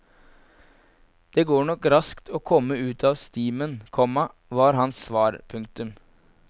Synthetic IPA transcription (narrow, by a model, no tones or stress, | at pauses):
d̪̥eːɡoːɳɔkɾɑskt̪ʰoːkʰɔmːəʉːt̪ʰɑːʋst̪iːmənkʰɔmɑ | ʋɑːɾɦɑnsːʋɑːɾpʰʉŋk̚t̪ʉm